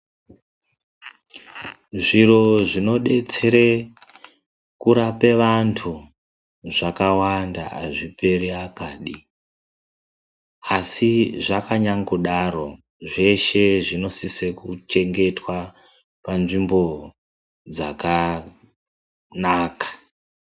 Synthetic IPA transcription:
ʐiro̞ʐino̞ɗe̞t͡se̞ɾe | kuɾape̞ʋantʰu | ʐakawanda̰a̰ʐipe̞ɾiakaːɗi | asiʐakaɲaŋɡuɗaɾo̞ | ʐe̞ʃe̞ʐino̞sisekut͡ʃe̞ŋɡe̞twa | panʐimbo̞ | d͡za̰ka | naːkḁ

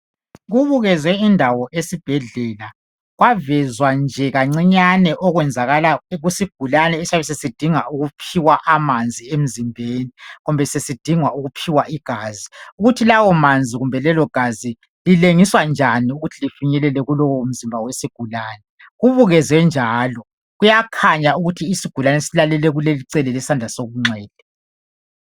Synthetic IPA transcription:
ɣuβuɣɛzɛindʱawɔʔesib̥ʱɛɮɛla | ɣwavɛzwand͡ʒʱɛɣaŋ͡ǀiɲanɛʔɔɣwɛnd͡zʱaɣalaɣusiɡ̥ʱulanɛsaβɛsesid̥ʱiŋauɣupʰiwaʔamand͡zʱiem̩zimbʱeːniɣumbʱɛsesid̥ʱiŋwauɣupʰiwaʔiɡ̥ʱaziuɣutʰilawɔmand͡zʱiɣumbʱɛlɛlɔɡ̥ʱazi | lileŋiswand͡ʒʱaniuɣutʰilifiɲɛlɛlɛɣulɔwɔm̩zimbʱawesiɡ̥ʱulaːnɛ | ɣuβuɣɛzɛnd͡ʒʱaːlɔ | ɣujakʰaɲauɣutʰiːsiɡ̥ʱulanɛsilalɛlɛɣuleliǀɛlɛlɛsandd͡ɮʱasoɣuŋ͡ǀwɛːd̥̚ʱɛ

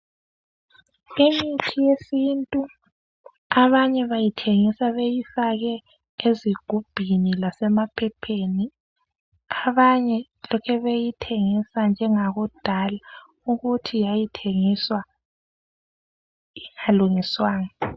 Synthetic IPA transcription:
emitʰijesintʼu | aβaɲɛβajitʰeŋisaβejifaɣɛ | eziɡ̥ʱub̥ʱinilasɛmapʰɛpʰeni | aβaɲɛ | lɔkʰɛβejitʰeŋisand͡ʒʱɛŋaɣud̥ʱala | uɣutʰijajitʰeŋiswa | iŋaluŋiswaːŋa

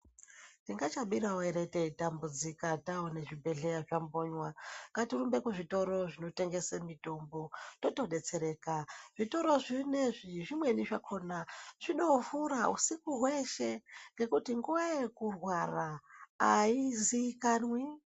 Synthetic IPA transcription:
tiŋɡat͡ʃaɓiɾaoeɾe̞teitambud͡zikataoneʐibʱe̞ɮejaʐamboɲwaŋɡatirumbe̞kuʐito̞ɾo̞ʐino̞te̞ŋɡe̞samito̞mbo̞to̞to̞ɗe̞t͡se̞ɾe̞ːkaʐito̞ɾo̞ʐineʐiʐimwe̞niʐakʰo̞nat͡ʃiɗo̞fuɾaṵsikuɦwe̞ʃe̞ŋɡe̞kutiŋɡuwekurwaraː | iziikanwi

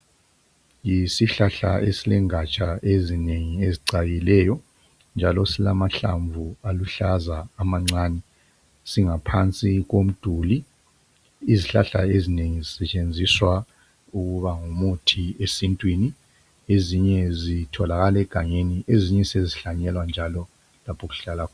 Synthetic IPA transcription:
jisiɬaɬa̰ʔesilɛŋat͡ʃʼaezineŋieziǀaɣilɛːjɔ | nd͡ʒʱalɔsilamaɬa̰ɱvualuɬazaːmaŋ͡ǀaːnɛ | siŋapʰant͡sʼiɣom̩d̥ʱuliː | ziɬa̰ɬa̰ezineŋizisɛt͡ʃʼend͡zʱiswa | uɣuβaŋumutʰiesintʼwini | eziɲɛzitʰɔlaɣalɛɡ̥ʱaɲeniʔeziɲɛseziɬaɲɛlwand͡ʒʱalɔ | lapʰɔɣu̥ɬalakʰɔ

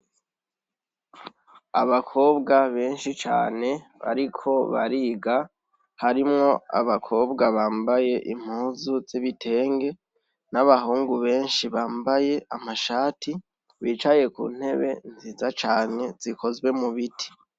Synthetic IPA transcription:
aβakʰo̞ːbɡaβe̞ːnʃit͡ʃa̰ːne̞βa̰ɾikʰo̞βa̰ɾiɡa | haɾimŋo̞a̰βakʰo̞ːbɡaβaːmbaje̞ʔim̥huːzuziβitʰe̞ːŋɡe̞ | naβaɦuːŋɡuβe̞ːnʃiβaːmbaje̞ʔamaʃaːtʰi | βiːt͡ʃaje̞kṵːn̥he̞βe̞nzizat͡ʃaːne̞z̥ikʰo̞zɡwe̞muβitʰi̥

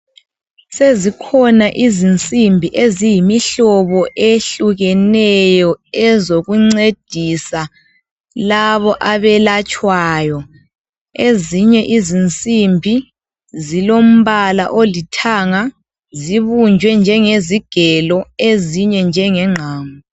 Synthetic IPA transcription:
sezikʰɔnaʔizint͡sʼimbʱiʔezijimiɬɔβɔʔeɬuɣɛnɛjɔɛzoɣuŋ͡ǀed̥ʱisa | laβɔʔaβɛlat͡ʃʼwaːjɔ | eziɲɛʔizint͡sʼimbʱi | zilom̩βalaʔolitʰaŋa | ziβund͡ʒʱwɛnd͡ʒʱɛŋeziɡ̥ʱɛlɔeziɲɛnd͡ʒʱɛŋɛŋ͡ǁʱaːŋɔ

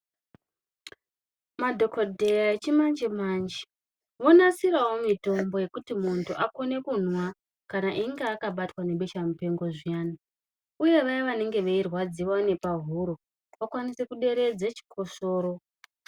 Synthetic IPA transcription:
madʱo̞kodʱe̞jaet͡ʃimand͡ʒemand͡ʒi̥ | ʋo̞nasiɾawomito̞mbo̞je̞kutimuntʰuʔako̞ne̞kun̤wa | kanaʔiŋɡeakaɓatwane̞ɓe̞ʃamupe̞ŋɡo̞ʐijaːni | uje̞ʋajiʋane̞ŋɡe̞ʋeirwad͡ziʋone̞paɦuɾo | ʋakwanise̞kuɗe̞ɾe̞d͡zet͡ʃi̥kʰo̞ʃo̞ːɾo̞

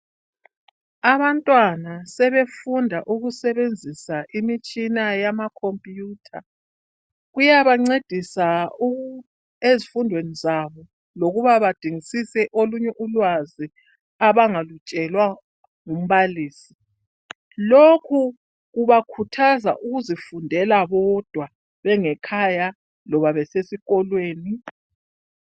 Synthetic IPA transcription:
aβantʼwanasɛβefundʱaʔuɣusɛβend͡zʱisaʔimit͡ʃʼinajamakʰompʼjuːtʰa̰ | ɣujaβaŋ͡ǀed̥ʱisau | ezifundʱwenizaβɔ | loɣuβaβad̥ʱiŋisisɛʔoluɲɛʔulwazi | aβaŋalut͡ʃʼɛlwa | ŋum̩βaliːsi̥ | lokʰu | ɣuβakʰutʰaza̰ʔuɣuzifundʱɛlaβɔd̥ʱwa | βɛŋɛkʰaja | lɔβaβɛsesiɣɔlweːni

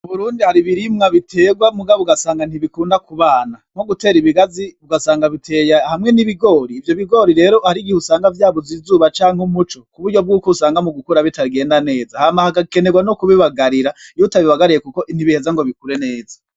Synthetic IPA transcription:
uβuɾuːndihaɾiβiɾimŋaβitʰe̞ːɡwamuɡaβuɡasaːŋɡan̥iβikuːndakuβaːnaŋ̥o̞ɡute̞ːɾiβiɡaziβuɡasaːŋɡaβitʰe̞ːjahamŋe̞niβiɡo̞ːɾiːvjo̞βiɡo̞ːɾiɾe̞ːɾo̞haɾiɡihusaːŋɡavjaːβozizuːβat͡ʃaːŋ̥humut͡ʃo̞kuβuɾɟo̞bɡuːkousaːŋɡamuɡukuɾaβitʰaɡe̞ːndane̞ːzahamahaɡake̞neɡwanokuβiβaɡaɾiɾajutaβiβaɡaɾiɾekuko̞ʔin̥iβihezaŋɡo̞βikuɾe̞ne̞ːza

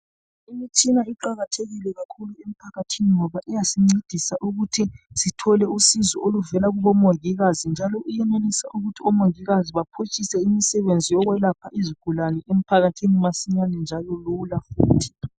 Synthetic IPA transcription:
imit͡ʃʰʼinaiǃaɣatʰeɣilɛɣakʰuluem̩pʰaɣatʰiniŋɔβaʔijasiŋ͡ǀed̥ʱisaʔuɣutʰisitʰɔlɛusizɔoluvɛlaɣuβɔmoŋiɣazind͡ʒʱalɔʔujɛnenisaʔuɣutʰiɔmoŋiɣaziβapʰut͡ʃʼisɛimisɛβend͡zʱijɔɣwɛlapʰaiziɡ̥ʱulanɛʔem̩pʰaɣatʰinimasiɲanɛnd͡ʒʱalɔlulafuːtʰi̥

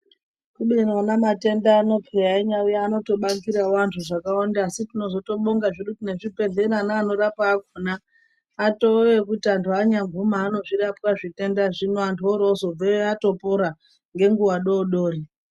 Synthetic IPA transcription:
kuɓinonamate̞ndaːno̞peraiɲaiano̞to̞ɓakiɾawantʰuʐakaondasitino̞zo̞to̞ɓoŋɡaʐiɗutine̞ʐipe̞ɮe̞ɾanaːno̞ɾapaːkonaː | to̞ʋe̞kutiantʰuaɲaɱvumaːno̞ʐiɾapkwaʐite̞ndaʐinoantʰuoɾozob͡veeato̞poɾa | ŋɡe̞ŋɡuwaɗo̞ɗoːri

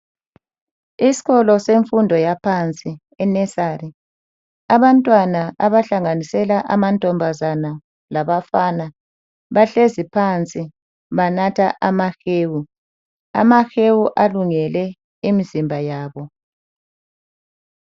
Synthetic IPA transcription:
isi̥ɣɔlɔseɱfundʱɔjapʰant͡sʼi | ɛnɛsari | aβantʼwanaaβaɬaŋanisɛlaʔamantʼɔmbʱazana | laβafana | βaɬezipʰant͡sʼi | βanatʰaʔamaxeːwu | a̰maxewuʔaluŋɛlɛ | imizimbʱajaːβɔ

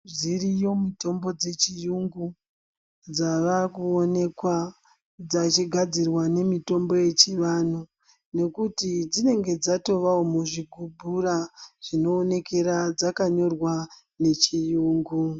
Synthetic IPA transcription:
ʐirijo̞mito̞mbo̞d͡ze̞t͡ʃijuŋɡu | d͡zaʋakuone̞kwa | d͡zat͡ʃiɡʱad͡zirwane̞mito̞mbo̞je̞t͡ʃiʋanu | ne̞kutid͡zine̞ŋɡe̞d͡zato̞ʋaomuʐiɡʱubʱuraʐ̥ino̞ːne̞ke̞ɾad͡zakaɲo̞rwa | ne̞t͡ʃijuːŋɡu

